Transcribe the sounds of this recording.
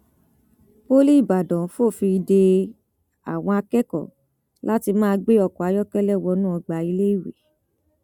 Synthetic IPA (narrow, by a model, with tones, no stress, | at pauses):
bo˦li˦i˦˨ba˨dɔ̃˨˦fo˦˨fi˧i˧de˧ | a̰˨w̃ɔ̃˧a˧kɛ˦kɔ̰˨ | la˦ti˧mãː˦˧ɡ͡be˦ɔ˦˨kɔ˨a˨˦jɔ˦kɛ˦lɛ˦˨wɔ˧˦nũ˦ɔ˧ɡ͡ba˨i˧le˦i˦˨wḛ˨